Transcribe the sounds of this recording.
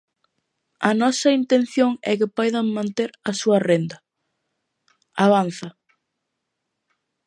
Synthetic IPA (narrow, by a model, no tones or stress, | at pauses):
ɐnɔsɐint̪en̟θjoŋɛ̰kɪpɔjðɐŋmãnt̪eɾɐsuɐrend̪ɐ | aβ̞an̟θɐ